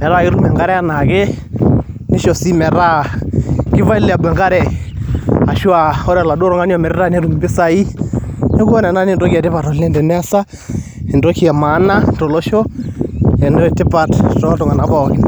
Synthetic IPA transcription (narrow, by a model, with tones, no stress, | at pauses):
mɛ˨ɾa˦ɪ˦ɾu˦mɛ˨ŋɡa˦ɾɛ˦a˦˨na˨ke˦ | nɪ˦ʃɔ˨si˦mɛ˨ɾa˦ | kɪ˦va˦i˦la˨bwɛ˨ŋɡa˦ɾɛ˦ | a˨ʃwa˨ɔ˦ɾɛ˨la˨do˦ɾɔ˦ŋa˦njɔ˦˨mɛ˨ɾɪ˦ɾa˦ne˦ɾu˨m˨bɪ˦sa˦i˦ne˦kɔ˦nɛ˨na˦ni˦ndo˦kɛ˨tɪ˦pa˨tɔ˨lne˦ndɛ˨nɛ˦sa˦ | e˨ndo˦ki˨ɛ˨ma˨˦na˦to˨lo˦ʃo˦ | e˨ndɔ˦ɛ˨tɪ˦pa˨ttɔ˦tɔ˨ŋa˨na˨˦ba˦˨kɪ˦n